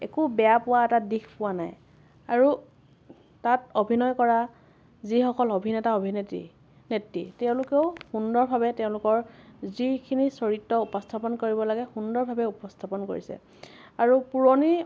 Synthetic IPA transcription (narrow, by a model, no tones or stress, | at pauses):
ɛ̰kubɛjapʊwaɛtadixpʊwanaj | aɹu | tatobʱinɔjkɔɹa | zixɔkɔlobʱinɛtaobʱinetḭ | netːḭtɛʊ̃lʊkɛʊxundɔɹbʱabɛtɛʊ̃lʊkɔɹzikʰinisoɹitːɔupɔstʰapɔnkoɹibɔlaɡɛxundɔɹbʱabɛupɔstʰapɔnko̰ɹḭsɛ̰ | aɹupuɹoni